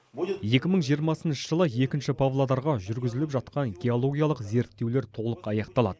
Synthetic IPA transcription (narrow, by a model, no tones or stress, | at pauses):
je̞kʲɪməɴʒijəɾmɑsənʃəʒəlˠəje̞kʲɪnʃɪpʰovlˠod̪ɑɾʁɑʒʏɾɡʲɪzɪlɪpʒɑt̪qɑŋɡʲeo̞lˠo̞ɡʲijɑlˠəqze̞ɾt̪ːe̞wle̞ɾt̪ʰo̞lˠəqɑjɑqt̪ɑlˠɑ̰d̪̥ə